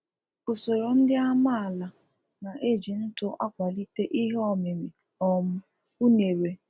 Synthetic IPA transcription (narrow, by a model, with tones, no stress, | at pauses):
o˨so˨ɾo˨n̩˦dɪ˦a˦ma˦a˨la˨ | na˨ʔe˦˨d͡ʒi˨n̩˦tʊ˦ʔa̰˦kʷa˨li˦te˦ʔi˦ɦɔ˦me˨mɪ˨ | ɔ˨m̩˦ | u˦ne˨ɾe˨